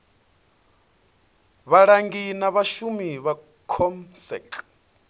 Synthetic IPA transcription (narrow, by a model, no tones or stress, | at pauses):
βaɺaŋɡinaβaʃumiβa | kʰɔmsɛ̰kʼ